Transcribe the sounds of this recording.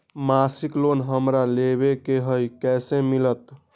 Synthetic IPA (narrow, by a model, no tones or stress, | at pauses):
masiklonɦəmɾaleβekeɦəjkɛsemilət̪